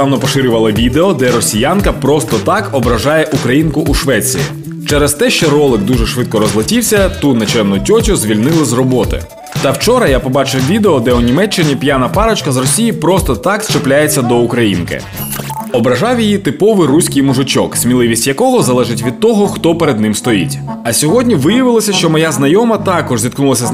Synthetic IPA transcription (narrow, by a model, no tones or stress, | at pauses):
ɑwnɔpɔʃɪɾʲʊʋɐlˠɐʋʲid̪eɔd̪ɛɾɔsʲijankɐpɾɔst̪ɔt̪ɑkɔbɾɐʒɑjɛʔukɾɐjinkʊʔuʃʋɛt͡sʲḭjḭ | t͡ʃɛɾɐst̪ɛʃt͡ʃɔɾɔlˠɪkd̪uʒɛʃʋɪt̪̚kɔɾɔzlˠɐtʲiwsʲɐt̪unɐt͡ʃɛmnʊtʲɔtʲʊzʲʋʲilʲnɪlˠɪzrɔbɔt̪ɪ̰ | t̪ɐwt͡ʃɔɾɐjapɔbɑt͡ʃɪwʋʲid̪eɔd̪ɛunʲimɛt͡ʃːɪnʲipʲjanɐpɑɾɐt͡ʃkɐzrɔsʲijipɾɔst̪ɔt̪ɑkst͡ʃeplʲajet͡sʲːɐd̪ɔukɾɐjinkɪ̰ | ɔbɾɐʒɑwjijit̪ɪpɔʋɪrusʲkɪjmʊʒɪt͡ʃɔksʲmʲilˠɪʋʲisʲtʲjɐkɔɦɔzɐlˠɛʒɪtʲʋʲid̪̚t̪ɔɦɔxt̪ɔpeɾed̪̚nɪmst̪ɔjḭtʲɐsʲɔɦɔdʲnʲiʋɪjɐʋɪlˠɐsʲɐʃt͡ʃɔmɔjaznɐjɔmɐt̪ɑkɔʒzʲit̪knulˠɐsʲɐ